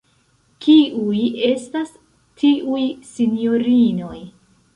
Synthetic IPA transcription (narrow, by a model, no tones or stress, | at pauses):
kiujestas | tʰiʔujsinijo̞ɾino̞j